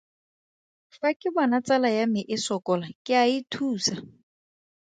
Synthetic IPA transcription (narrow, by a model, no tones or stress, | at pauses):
fakʼɪbanat͡salajamɪʔɪsɔkɔlakʼɪaitʰuːsa